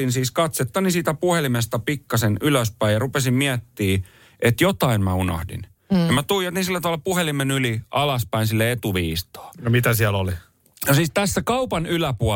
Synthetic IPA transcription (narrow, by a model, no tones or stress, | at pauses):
insiːskɑt̪set̪ːɑnisiːt̪æpuhelimest̪ɑpikːɑsenyløspæijɑrupesimmiæt̪ːiː | ʔet̪jot̪ɑinmæuno̰hdḭn | mæt̪uijot̪isilːæt̪ɑʋɑlːɑpuhelimenyliɑlɑspæinsilːeet̪uʋiːst̪o̥ːnomit̪æsiæloli | nosiːst̪æsːækɑupɑnylæpuɑ